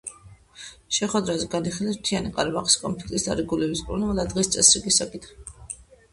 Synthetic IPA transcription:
ʃɛχwɛd̪ɾazɛɡaniχilɛst̪ʰianikʼaɾbaχi̥skʼɔ̰mpʰlik̚ʼt̪ʼisd̪a̰ɾiɡulɛbiskʼuɾnuad̪ad̪ʁist̪sʼɛsɾiɡisakʼit̪ʰχi

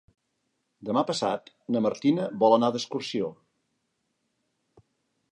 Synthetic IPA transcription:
d̪əmapəsa̰t̪ | nəməɾt̪inəβɔlˠənaðəskursio

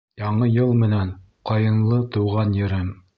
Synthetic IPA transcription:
jɑɴɤjɤlˠmɘ̆næn | qɑjɤ̆nlˠɤt̪ŭwʁɑnjɘ̆ɾɘm

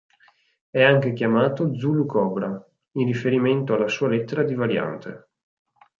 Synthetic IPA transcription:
ɛaŋk̟ek̟jamaːt̪od̪zulukɔːbɾa | inrːifeɾiment̪oalːasuːalet̪ːeɾad̪ivaɾja̰nt̪ʰḛ

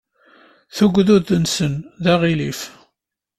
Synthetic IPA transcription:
θuɡʷðuðənsənðaʁilif

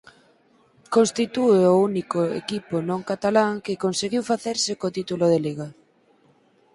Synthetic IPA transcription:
konst̪it̪ueounikoḛkiponõŋkat̪alaŋkɪkonseɣiwfaθeɾsɪkot̪it̪uloðeleɣa

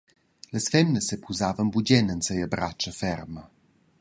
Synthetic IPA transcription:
ləsfɛmnəsːepʰuzavənbuɟɛnənsəjəbɾat͡ʃəfɛrmə

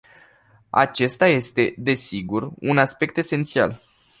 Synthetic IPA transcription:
a̰t͡ʃe̞st̪aje̞st̪e̞d̪e̞siɡurunaspe̞k̚t̪e̞se̞nt̪sia̰l

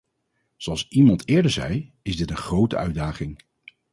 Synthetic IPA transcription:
z̥oɑlˠsimɑntɪːɹdəɹzɛj | ɪzdɪtənχrowtə̰œɥdaːχɪŋ

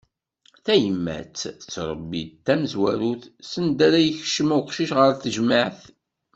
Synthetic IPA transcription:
θæjəmːæ̰t͡sːt͡sːɾˤəbːḭd̪t̪ːæməzwæɾuθsənd̪æɾæjəçʃəmæwqʃiʃʁəɾθəʒmaʕθ

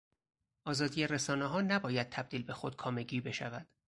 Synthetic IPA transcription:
ʔɒːzɒːd̪ijeɾesɒːneɦɒːnæbɒːjæd̪̥̚t̪ʰæb̚d̪iːlbe̞xo̞d̪̥̚kʰɒːme̞ɟiːbe̞ʃævæd̪̥

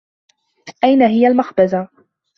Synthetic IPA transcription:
ʔajnaɦɪjalmaxbaza

